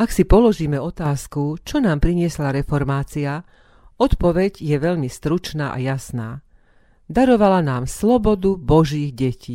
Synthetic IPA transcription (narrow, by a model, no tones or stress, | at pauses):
aksipɔlɔʒiːmɛɔt̪aːskut͡ʃɔnaːmpɾiɲɪɛslaɾɛfɔɾmaːt͡sia | ɔt̪pɔʋɛɟjɛʋɛʎmist̪ɾut͡ʃnaːʔa̰jasnaː | d̪aɾɔʋalanaːmslɔbɔd̪ubɔʒiːɣɟɛciː